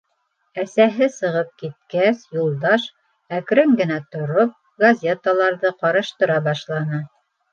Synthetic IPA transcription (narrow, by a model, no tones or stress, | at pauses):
æsæɦɘsɤ̆ʁɤp̚kit̪̚kæsjulˠd̪ɑʃ | ækɾɘŋɡɘ̆næt̪ŏɾop̚ | ɡɐzʲet̪əlˠɑɾðɤqɑɾɤ̆ʃt̪ɤ̆ɾɑbɑʃlˠɑnɤ